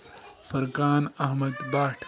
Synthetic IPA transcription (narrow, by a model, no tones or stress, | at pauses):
pɐɾkaːnɐɦmɐd̪baːʈʰ